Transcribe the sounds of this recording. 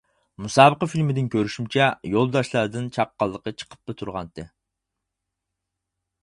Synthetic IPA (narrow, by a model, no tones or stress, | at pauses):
musɑːbəqɑfilmɪd̪ɪnkʲøɾyʃymt͡ʃʰɛjolˠd̪ɑʃlˠɑɾd̪ɨnt͡ʃʰɑp̚qːɑlˠːəqət͡ʃʰə̥qʰə̥p̚bet̪ʰuɾʁɑnt̪ʰɨ